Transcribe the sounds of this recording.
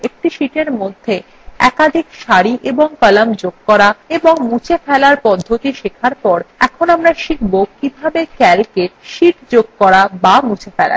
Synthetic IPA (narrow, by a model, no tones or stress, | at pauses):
ek̚ʈiʃiʈeɾmod̪ʱːe | ɛ̰kad̪ʱikʃaɾiʔeboŋkalamd͡ʑoɡ̚kɔɾaeboŋmut͡ɕʰefʰɛlaɾpɔd̪ʱːot̪iʃekʰaɾpɔɾɛkʰonamɾaʃik̚ʰbokibʱabekɛɾikeʈʃiʈd͡ʑoɡ̚kɔɾabamũt͡ɕʰefɛla̰